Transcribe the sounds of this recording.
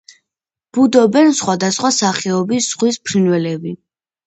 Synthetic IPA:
b̥ud̪ɔbɛnsχwad̪asχwasaχɛɔbisz̥ʁwispʰɾinwɛlɛbi

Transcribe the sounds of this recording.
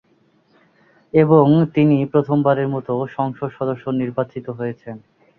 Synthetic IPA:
eboŋt̪inipɾot̪ʰombaɾeɾmɔt̪oʃɔŋʃoʃɔd̪oʃːoniɾbat͡ɕit̪oɦojet͡ɕʰen

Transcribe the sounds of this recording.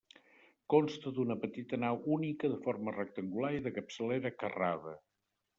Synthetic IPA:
konst̪əd̪unəpət̪it̪ənawʔunikəðəformərək̚t̪əŋɡulaɾiðəkəpsəleɾəkərað̞ə

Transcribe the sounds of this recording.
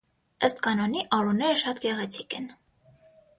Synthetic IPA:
əst̪kɑnɔniʔɑɾunːɛɾəʃɑt̪ɡɛʁɛt͡sʰi̥kɛn

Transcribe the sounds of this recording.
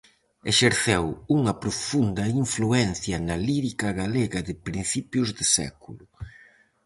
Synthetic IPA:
eʃeɾθewuŋɐpɾʊfund̪ɐiɱfluɛnθjɐnɐliɾikɐɣaleɣɐðɪpɾinθipjʊzðɪsɛ̰kulʊ

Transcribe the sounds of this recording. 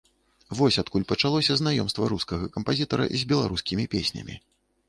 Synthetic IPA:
vɔsʲat̪̚kulʲpɐt͡ʂalˠɔsʲɐznajɔmst̪vɐɾuskɐɣɐkɐmpazʲit̪ɐɾɐ̰zʲbʲɛlˠaɾuskʲimʲipʲesʲnʲɐ̰mʲḭ

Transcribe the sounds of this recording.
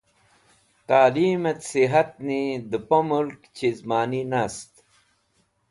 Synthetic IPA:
q̪aːliːmɐt̪siɦɐt̪̚nid̪əpomulkt͡ɕizmaːninast̪

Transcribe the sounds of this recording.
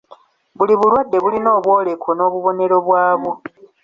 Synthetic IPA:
βuliβulwadːe̞βulino̞ːβwo̞ːlekʰono̞ːβuβo̞ne̞ɾo̞βwaːβo

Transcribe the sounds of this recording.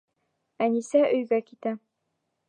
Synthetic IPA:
ænisæʔɵ̆jɡækit̪æ

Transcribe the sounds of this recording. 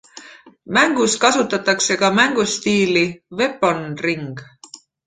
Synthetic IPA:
mæŋɡ̥uskɑsut̪ːˑɑt̪ːˑɑkse̞kɑmæŋɡ̥ust̪iːlive̞ponriŋɡ̥

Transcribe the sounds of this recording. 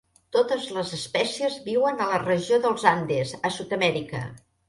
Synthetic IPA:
t̪ot̪əzləzəspɛsiəzβiwənələrəʒioðəlˠzand̪ezəsut̪əmɛɾikə̰

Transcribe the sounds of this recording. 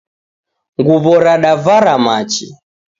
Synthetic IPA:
ŋɡuβɔɾaɗavaɾamat͡ʃḭ

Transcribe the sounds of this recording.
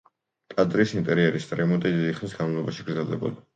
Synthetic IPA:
t̪ʼad̪ɾisint̪ʼɛɾiɛɾist̪ʼɾɛmɔt̪ʼid̪iiχʰnisɡanmalˠɔbaʃiɡ̥ɾd̪zɛlˠd̪ɛbɔ̰d̪a

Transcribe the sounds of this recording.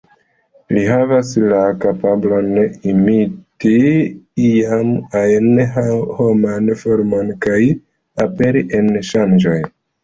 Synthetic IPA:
liɦavaslakapabloneimitiiamajnho̞manfo̞ɾmo̞nkaj | ape̞ɾiʔe̞nʃand͡ʒo̞j

